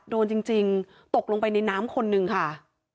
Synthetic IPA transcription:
doː˧nt͡ɕi˧ŋt͡ɕi˧ŋ | t̪o˨˩k̚lo˧ŋpa˧jna˧jnaː˦˥mkʰo˧nːɯ˨˩ŋkʰa˥˩

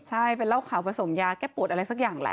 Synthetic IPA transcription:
t͡ɕʰa˥˩jpe˧nlaː˥˩wkʰaː˩˦wpa˧so˩˦mjaː˧kɛː˥˩pu˨˩t̪̚ʔɾa˧jsa˦˥k̚jaː˨˩ŋlɛ̰˧˦˥

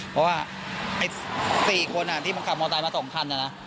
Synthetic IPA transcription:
pʰɔ˦˥waː˥˩ | ʔa˧jsiː˨˩kʰo˧nʔa˨˩t̪ʰiː˥˩ma˧nkʰa˨˩mɔ˧t̪a˧jma˧sɔ˩˦ŋkʰa˧nʔa˨˩na˦˥

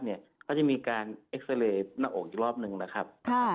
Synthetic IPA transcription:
ni˥˩ɐkʰa˥˩t͡ɕa˨˩miː˧kaː˧nʔe˦˥k̚se˧leː˧naː˦˥ʔoː˨˩k̚iː˨˩ɾɔː˥˩p̚nɯ˧ŋna˦˥kʰa˦˥p̚kʰa˥˩

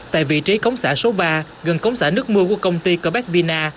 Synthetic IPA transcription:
t̪a̰ː˧˨vḭ˧˨t͡ɕi˨˦kə˨˦wŋ͡msaː˧˩so˨˦ɓaː˧ | ɣə˨˩nkə˨˦wŋ͡msaː˧˩nɨ˦˥ək̚mɨ˧əku˧˩əkə˧wŋ͡mt̪i˧kəː˧˩ɓɛ˦˥k̚vi˧naː˧

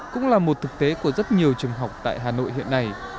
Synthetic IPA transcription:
kʊ̰˧˥ŋ͡mlaː˨˩mo˨˩t̚t̪ʰɨ˨˩k̚t̪e˨˦ku˧˩əzə˦˥t̚ɲi˨˩əwt͡ɕɨ˨˩əŋɦa˨˩wk͡p̚t̪a̰ː˧˨jɦaː˨˩no̰˧˨jɦḭ˧˨ənːa˨˩j

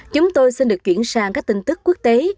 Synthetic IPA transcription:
t͡ɕʊ˨˦ŋ͡mt̪o˧jsi˧nɗɨ˨˩ək̚t͡ɕwḭ˧˨ənsaː˧˩ŋkaː˦˥k̚t̪i˧ŋ̟t̪ɨ˦˥k̚ːu˦˥k̚t̪e˨˦

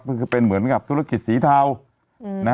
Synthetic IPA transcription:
kʰɔ˧˩kʰɯː˧pe˧nmɯ˩˦ənka˨˩p̚t̪ʰu˦˥ɾa˧ki˨˩t̪̚siː˩˦t̪ʰaː˧w | na˦˥

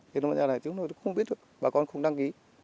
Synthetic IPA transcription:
e˨˧˩nɔ˧ma̰˧˨aː˧˩˨a˨˩t̪i˨˦no˧˨˩t̪ːxɓi˦˥ət̚ɗɨ˨˩əkɓaː˨˩kɔ˧nxə˧˩wŋ͡mɗa˧ŋki˨˦

